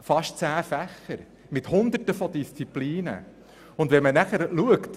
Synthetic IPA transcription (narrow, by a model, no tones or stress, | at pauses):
fɑʃt͡sæːfæχːəɾ | mɪthʊnd̪ərtəfɔd̪ist͡sipliːnə̰ | ʊnd̪vɛnmənæχəɾluəkt̪